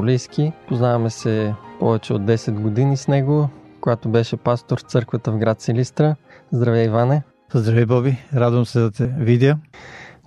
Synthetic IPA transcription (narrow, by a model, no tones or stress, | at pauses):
lijskipoznavɐmɛsɛpɔvɛt͡ʃɛod̪ːɛsɛd̪ɡod̪inisnɛɡokoɡat̪obɛʃɛpast̪oɾt̪sɤɾkvət̪əvɡɾat̪sɛlist̪ɾəzd̪ɾɐvjaivanɛ | zd̪ɾɐvibɔbiɾad̪vəmsɛd̪ɐt̪ɛvid̪ɛ